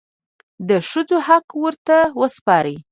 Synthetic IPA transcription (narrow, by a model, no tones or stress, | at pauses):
d̪əʃəd͡zohakwəɾt̪awəspɑɾi